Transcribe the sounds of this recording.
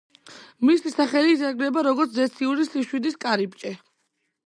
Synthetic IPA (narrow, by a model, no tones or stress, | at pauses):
misisaχɛlizaɡɾɛbaɾɔɡɔɾt̪ʰzɛsʰiuɾisiʃwid̪iskʼaɾip̚t͡ʃʼɛ